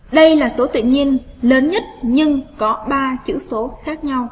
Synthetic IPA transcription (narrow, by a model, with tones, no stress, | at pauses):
ɗə˧jlaː˨˩so˨˦t̪ḭ˧˨ɲi˧ənləː˨˦nɲə˦˥t̚ɲɨ˧ŋkɔ˨˦ɓaː˧t͡ɕɨ̰˧˥so˨˦xaː˦˥k̚ɲa˧w